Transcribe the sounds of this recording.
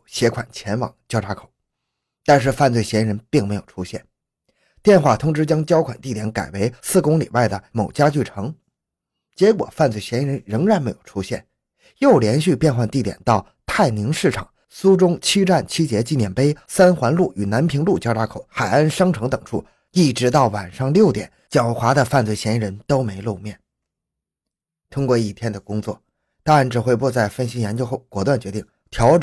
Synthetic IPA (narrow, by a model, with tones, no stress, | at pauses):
ɕjɛ˧˥kʰwa˨˩nt͡ɕʰjɛ˧˥nwɑ̰˨˩ŋt͡ɕjɑ˥ʊʈ͡ʂʰa˧˥kʰo̥˨˩˦ | t̪a˥˧nʂ̬ɻ̩˥˧fa˥˧nt͡swe˥˩ɪɕjɛ˧˥i˧˥ɻə˧˥npi˥˩ŋme˧˥ɪjo˨˩ʊʈ͡ʂʰu˥ɕjɛ̰˥˩n | t̪jɛ˥˧nxwa˥˩t̪ʰʊ˧˥ŋʈ͡ʂɻ̩˥t͡ɕjɑ˥ŋt͡ɕjɑ˥ʊkʰwa˨˩nt̪i˥˩t̪jɛ˧˥nka˨˩ɪwe˧˥ɪsɹ̩˥˩kʊ˥ŋlḭ˨˩wa˥˩ɪd̪ə˩mo˨˩ʊt͡ɕja˥t͡ɕy˥˩ʈ͡ʂʰɤ˧˥ŋ | t͡ɕjɛ˧˥kwɔ̰˨˩fa˥˧nt͡swe˥˩ɪɕjɛ˧˥i˥˧ɻə˧˥nɻə˧˥ŋɻa˧˥nme˧˥ɪjo˨˩ʊʈ͡ʂʰu˥ɕjɛ̰˥˩n | jo˥˩ʊljɛ˧˥nɕy˥˧pjɛ˥˧nxwa˥˧nt̪i˥˩t̪jɛ̰˨˩nt̪ɑ˥˧ʊ | t̪ʰa˥˩ɪni˧˥ŋʂɻ̩˥˩ʈ͡ʂʰɑ̰˨˩˦ŋ | su˥ʈ͡ʂʊ˥ŋt͡ɕʰi˥ʈ͡ʂa˥˩nt͡ɕʰi˥t͡ɕjɛ˧˥t͡ɕi˥˩njɛ˨˩npe˥ɪsa˥nxwa˧˥nlu˥˩y˨˩na˧˥npʰi˧˥ŋlu˥˩t͡ɕjɑ˥ʈ͡ʂa˧˥kʰo˨˩ʊxa˨˩ɪa˥nʂɑ˥ŋʈ͡ʂʰɤ˧˥ŋt̪ɤ˨˩ŋʈ͡ʂʰṵ˥˩ | i˥˩ʈ͡ʂɻ̩˧˥t̪ɑ˥˩ʊwa˨˩nʂɑ˥˧ŋljo˥˩ʊt̪jɛ̰˨˩˦nt͡ɕjɑ˨˩ʊxwa˧˥d̪ə˧fa˥˧nt͡swe˥˩ɪɕjɛ˧˥i˥ɻə˧˥nt̪o˥ʊme˧˥ɪlu˥˧mjɛ˥˩n | t̪ʰʊ˥ŋkwɔ˥˧i˨˩t̪ʰjɛ˥nd̪ə˨kʊ˥ŋt͡swɔ̰˥˩ | t̪a˥ŋɻa˧˥nʈ͡ʂɻ̩˨˩xwe˥˧ɪpu˥˧t͡sa˥˩ɪfə˥˩nɕi˥jɛ˧˥nt͡ɕjo˥ʊxo˥˩ʊkwɔ˧˥˩t̪wa˥˩nt͡ɕɥɛ˧˥t̪i˥˩ŋ | t̪ʰjɑ˧˥ʊʈ͡ʂ